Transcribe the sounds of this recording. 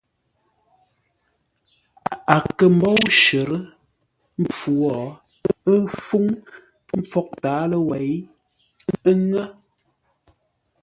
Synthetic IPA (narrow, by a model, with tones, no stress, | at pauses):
a˨ʔa˨kə˨m̩˦bɔ˦wʃə˨ɾə˦ | m̩˨p͡fu˨ɔ˨˦ | ə˦fu˦ŋ | m̩˦p͡fɔ˦k̚taː˨˦lə˦wɛ˨j | ə˦ŋa˦